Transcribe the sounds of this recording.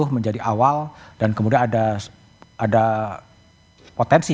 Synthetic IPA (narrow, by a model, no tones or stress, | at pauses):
ʊhməɲd͡ʒadiʔawald̥ankəmudianada | ʔada | pot̪ɛnsi